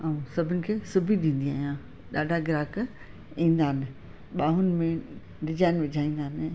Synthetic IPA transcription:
aũsɐbʱɪnɪ̆kʰeːsʊbʱiɗĩːn̆d̪iaːɦjã | ɗaːɖʱaɡɪɾaːk | ĩːnd̪aːnɪ | ɓaːɦʊnɪ̆mẽ | ɾɪd͡ʑaːɪnʋɪd͡ʑʱaːĩːn̆d̪aːnɪ

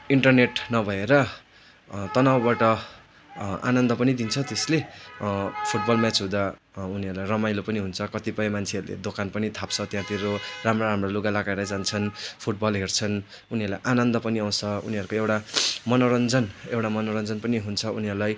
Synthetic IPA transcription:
iɳʈʌrneʈnʌbʱʌeɾʌ | t̪ʌnawbaʈʌ | a̰nʌnd̪ʌpʌnid̪int͡sʰʌt̪esle | pʰuʈ̚bʌlmat͡sɦũd̪a | uniɦʌɾulajrʌmajlopʌniɦunt͡sʰʌkʌt̪ipʌj̃mant͡sʰeʌɾulḛd̪okanpʌnit̪ʰapt͡sʰʌt̪jãt̪iɾoramraɾamraluɡalakaeɾʌd͡zant͡sʰʌnpʰuʈ̚bʌlɦert͡sʰʌn | uniɦʌɾlajʔanʌnd̪ʌpʌniaw̃t͡sʰʌṵniɦʌɾukoewʈamʌnoɾʌnd͡zʌnewʈamʌnoɾʌnd͡zʌnpʌniɦunt͡sʰʌuniɦʌɾulaj

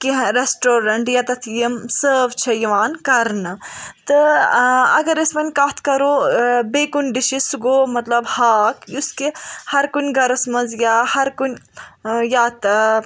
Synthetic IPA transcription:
kiɦɾesʈoːɾɐɳʈjɐt̪ɐt̪ʰjimsəːʋt͡ʃʰɐjiʋaːnkɐɾnɨt̪ɨ | ɐɡɐɾesmɐnʲkaːt̪ʰkɐɾoːbeːkunɖiʃisuɡoːmɐt̪lɐbhaːkjuskihɐɾkunʲɡɐɾɐsmɐzjahɐɾkunʲ | jaːt̪

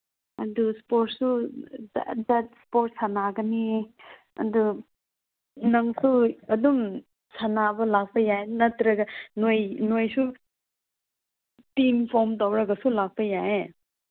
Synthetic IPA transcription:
ɐduspot̚su | dɐtspoɾt̚sanaɡɐni | ɐ̰du | nɐŋsuɐdum | sanabɐlak̚pɐjaenɐtɾɐɡɐnojnojsu | timpʰomtawɾɐɡɐsulak̚pɐjae

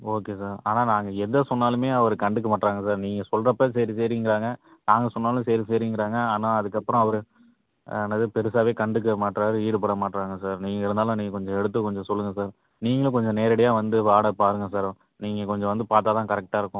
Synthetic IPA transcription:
oːkeːsaːɾa̰ːnaːnaːŋɡɐɛðɐsɔnːaːlɯmeːɐʋɐɾɯkɐɳɖɯk̬ːɯmaːʈɾaːŋɡɐsaːɾniːŋɡɐsɔlrɐpːɐːs̬ɛɾis̬eːɾɪɪŋɡɪɾaːŋɡɐ | naːŋɡɐsɔnːaːlʊ̃sɛjɾiseːɾɪɪŋɡɪɾaːŋɡɐaːnaːɐðɯkːɐpːɯɾɔ̃ɐʋɐɾɯ | nːɐðɯpɛɾɯsaːʋeːkɐɳɖɯkːɐmaːʈːɾaːɾɯiːɽɯpɐɽɐmaːʈːɾaːŋɡɐsaːɾniːŋɡɐɪɾɯnd̪aːlʊ̃niːŋɡɐkɔɲd͡ʒɔ̃ɛɽɯt̪̬ːɯkɔɲd͡ʒɔ̃sɔlːɯŋɡɐsaːɾ | niːŋɡɐɭ̃kɔɲd͡ʒɔ̃neːɾɐɽɐjaːʋɐnd̪ɯʋaːɽɐpaːɾɯŋɡɐsaːɾ | niːŋɡɐkɔɲd͡ʒɔ̃ʋɐnd̪ɯpaːɾt̪aːt̪ãːkɐɾɛk̚ʈaːɪɾɯkːʊ̃

